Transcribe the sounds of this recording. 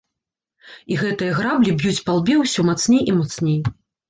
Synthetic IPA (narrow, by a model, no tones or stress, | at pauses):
iɣɛt̪ɨjɐɣɾablʲibʲjut͡sʲpalˠbʲɛwsʲɔmat̪snʲejʔimat̪snʲej